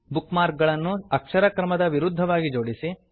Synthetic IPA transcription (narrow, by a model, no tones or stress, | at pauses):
bukmaːɾk̚ɡɐɭɐnːuɐkʂɐɾɐkɾɐmɐd̪ɐʋiɾud̪ʱːɐʋaːɡid͡ʒoːɽisi